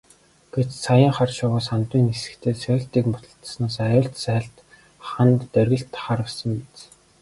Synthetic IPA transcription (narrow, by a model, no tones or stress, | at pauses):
ɡ̥et͡ɕsʰajə̆ːŋχarʃʊʁʊːsant̪wiːnesɘ̥̆kt̪ʰeːsʰœɬt̪iːkmpʊt̪ɞ̆ɬt̪̆snaːsajʊːɮt̪sæːɮt̪ | χant̪ːœrɣɘ̆ɬt̪χaɾə̆wsə̆mpet͡s